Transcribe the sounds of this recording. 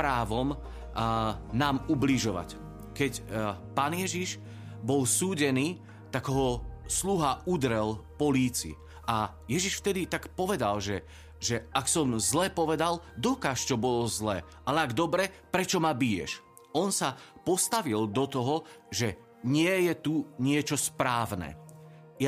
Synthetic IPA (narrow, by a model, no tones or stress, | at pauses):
pɾaːʋɔm | naːmubliʒɔʋa̰c | kɛcpaːnjɛʒiʃ | bɔlsuːɟɛniː | t̪aɡɦɔsluɦaud̪ɾɛlpɔliːt͡siḭ | ʔa | jɛʒiʃft̪ɛd̪it̪akpɔʋɛd̪alʒɛ | ʒɛaksɔmzlɛpɔʋɛd̪ald̪ɔkaːʃt͡ʃɔbɔlɔzlɛːalɛaɡd̪ɔbɾɛpɾɛt͡ʃɔmabijɛ̰ʃ | ɔnsapɔst̪aʋild̪ɔt̪ɔɦɔʒɛ | ɲɪɛjɛt̪uɲɪɛt͡ʃɔspɾaːʋnɛ̰ | ja